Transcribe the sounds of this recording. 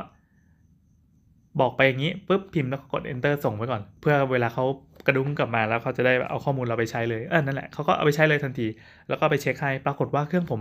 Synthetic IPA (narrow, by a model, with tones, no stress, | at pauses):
bɔː˨˩k̚pa˧jːa˨˩ŋːiː˦˥pɯ˦˥p̚pʰi˧mlɛː˦˥wkʰa˦˥ko˨˩ʔḛ˧nt̪ɤː˥˩so˨˩ŋmʰa˧˥˩kɔː˨˩npʰɯ˥˩ɐweː˧laː˧kʰa˦˥w | ka˧du˧˦˥ŋka˨˩p̚maː˧lɛː˦˥wkʰa˦˥wt͡ɕa˨˩daː˥˩jbɛ̰˨˩ʔa˧wkʰɔː˥˩muː˧nɾa˧wpa˧jt͡ɕʰa˦˥jlɤː˧jʔa˧˩na˥˩nlɛ̰˨˩ʔkʰa˦˥wkɔː˥˩ʔa̰˧wpa˧jt͡ɕʰa˦˥jlɤː˧jt̪ʰa˧nt̪ʰiː˧ | lɛː˦˥wkɔː˥˩pa˧jt͡ɕʰe˦˥k̚ʰha˥˩jpɾaː˧ko˨˩t̪̚waː˥˩kʰɯ˥˩əŋpʰo˩˦m